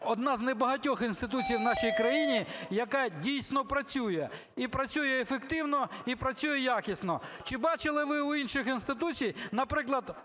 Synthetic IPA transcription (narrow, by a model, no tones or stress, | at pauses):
ɔd̪nɑznɛbɐɦɐtʲɔxinst̪ɪt̪̬ut͡sʲijwnɑʃijkɾɐjinʲijɐkadʲijsʲnɔpɾɐt͡sʲujɛ | ipɾɐt͡sʲujɛːfekt̪ɪwnɔipɾɐt͡sʲujɛjakʲɪsʲnɔt͡ʃɪbɑt͡ʃɪlˠɪʋɪuinʃɪxinst̪ɪt̪ut͡sʲijnɐpɾɪklˠɐd̪